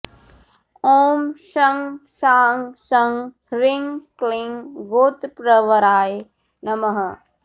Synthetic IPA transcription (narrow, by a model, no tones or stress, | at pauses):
oːmʃɐŋʃaːŋʃɐŋ | ɾiŋkliŋɡoːt̪pɾɐʋɐɾaːj | nɐmɐɦɐ